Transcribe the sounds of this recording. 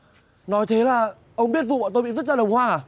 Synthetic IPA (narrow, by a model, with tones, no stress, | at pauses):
nɔ˨˦jt̪ʰe˨˦laː˨˩ | ʔə˧wŋ͡mɓi˦˥ət̚vṵ˧˨ɓa̰ː˧˨˩t̪o˧jɓi˧˨və˦˥t̚zaː˧ɗə˨˩wŋ͡mhwaː˧aː˨˩